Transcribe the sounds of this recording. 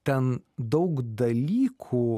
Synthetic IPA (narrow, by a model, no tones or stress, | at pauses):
t̪ʲɛnd̪ɐʊkd̪ɐlʲiːkʰuː